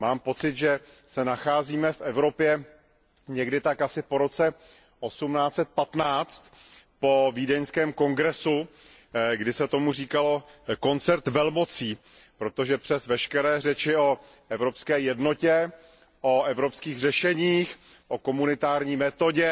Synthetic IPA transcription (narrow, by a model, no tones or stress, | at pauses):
maːmpo̞t͡sɪt̪ʒɛ | sɛnaxaːziːmɛfʔɛvɾo̞pjɛ | ɲɛɡdɪt̪akʔasɪpoɾo̞t͡sɛ | ʔo̞sumnaːt͡sɛt̪̚pat̪naːt͡st̪ | po̞viːdɛɲskɛːmko̞ŋɡɾɛsu | ɡdɪsɛt̪o̞muriːkalo̞ko̞nt͡sɛɾt̪vɛlmo̞t͡siːpɾo̞t̪o̞ʒɛpr̝̥ɛsvɛʃkɛɾɛːr̝ɛt͡ʃɪo | ɛvɾopskɛːjɛdno̞cɛ | ʔoɛvɾopskiːɣr̝ɛʃɛɲiːxʔo̞ko̞munɪt̪aːɾɲiːmɛt̪o̞ɟɛ